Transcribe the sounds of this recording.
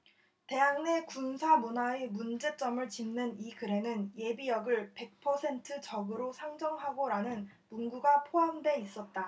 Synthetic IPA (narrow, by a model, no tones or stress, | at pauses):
te̞ɦaŋne̞kunsʰamunaemund͡ʑe̞t͡ɕ͈ʌmɯɭt͡ɕimnɯnikɯɾe̞nɯnje̞bijʌɡɯɭpe̞k̚pʰʌsʰe̞ntʰɯt͡ɕʌɡɯɾosʰaŋd͡ʑʌŋɦaɡoɾanɯnmunɡuɡapʰoamdwe̞is͈ʌt̚t͈a